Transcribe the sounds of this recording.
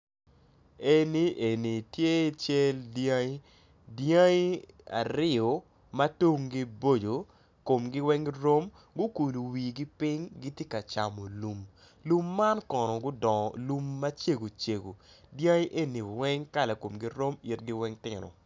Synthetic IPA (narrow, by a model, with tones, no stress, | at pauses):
e˦ni˨ʔe˨ni˨tje˦˨˦t͡ʃɛ˦ldjã˦i˦ | dja˦i˦a̰˨ɾɪ˦ɔ˨ | ma˦to˦ŋɡi˦bo˦d͡ʒo˨ | ko˨mɡɪ˦wɛ˦ŋɾo˦m | ɡʊ˦ku˨lo˨wi˨ɡi˦pɪ˦ŋɡi˦tje˦ka˨t͡ʃa˨mo˨lu˨m | lu˦mːa˦nkɔ˨nɔ˨ɡʊ˦dɔ˨ŋɔ˨lu˦mːa˦t͡ʃe˦ɡo˨t͡ʃe˨ɡo̰˨ | djã˦i˦ʔe˦ni˨wɛ˦ŋka˦la˨ko˨mɡi˦ɾo˦mi˨tɡɪ˦wɛ˦ŋtɪ˨nɔ̰˨